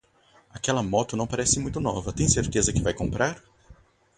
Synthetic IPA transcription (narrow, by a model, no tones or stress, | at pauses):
akɛlɐmɔt̪ʊnɐ̃w̃paɾɛsɪmũj̃t̪ʊnɔvɐt̪ẽj̃seɾt̪ezɐkɪvajkõpɾaɾ